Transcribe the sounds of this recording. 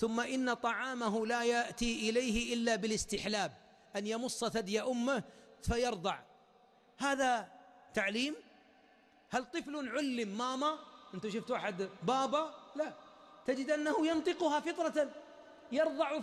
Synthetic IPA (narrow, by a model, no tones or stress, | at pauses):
θʊmːaʔɪnːat̪ˤɑʕɑːmaɦʊlajaʔt̪iʔɪlajhɪʔɪlːabɪlɪst̪ɪħlaːb̚ | ʔanjɑmʊsˤːɑsad̪jaʔʊmːahfajɑɾˤd̪ˤɑʕ | haːðat̪aʕliːm | halt̪ˤɨflunʕʊlːɪmːaːmaʔɪnt̪aʃʊft̪waːħɪd̪bɑːbɑlat̪ad͡ʒɪd̪ʔanːahʊjɑnt̪ˤɨqʊhɑfɨt̪ˤɾˤɑa | jɑɾˤðˤɑʕ